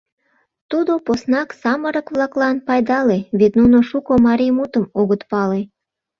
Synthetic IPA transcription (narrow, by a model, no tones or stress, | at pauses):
t̪ud̪oposnɑksɑməɾəkβlɑklɑnpɑjd̪ɑleβet̪nunoʃukomɑɾimut̪əmoɣət̪pɑle